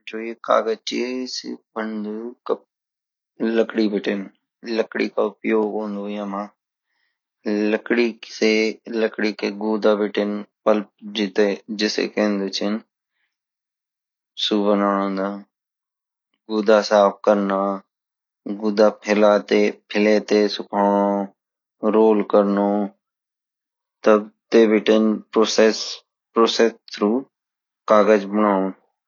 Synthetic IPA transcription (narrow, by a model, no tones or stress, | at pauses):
d͡ʒoːeka̰ːɡət͡ʃḭsḭbənd̪ukɐp̚ | ləkɽibɪʈɪn | ləkɽḭkaʊpjoːɡɦõːnd̪ojãːmã | ləkɽiseləkɽikeɡuːd̪abɪʈɪnpəlp̚d͡ʒɪt̪ed͡ʒɪsḛkẽːnd̪ut͡ʃʰɪn | suːbənãːd̪a | ɡuːd̪aːsaːp̚ʰkəɾna | ɡuːd̪aːpʰɪlaːt̪epʰɪleːt̪esʊkʰaːo | ɾoːlkəɾnoː | t̪əbt̪eːbɪʈenposes | pɾoːsest̪ʰɾuː | kaːɡəd͡ʒbənaːũ